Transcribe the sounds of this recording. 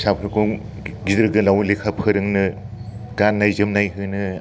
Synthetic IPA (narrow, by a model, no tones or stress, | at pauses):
sapʰɯɾkʰu | ɡidɯɾɡɯlawlekʰapʰɯɾɯŋnɯ | ɡ̥anːajzɯmnajɦɯnɯ